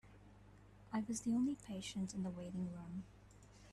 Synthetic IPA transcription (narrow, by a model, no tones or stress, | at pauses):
ʔaɪwʌzðiõʊ̃nlipʰeɪʃɨ̃ntɨ̃nðəweɪɾɪ̃ŋɹũm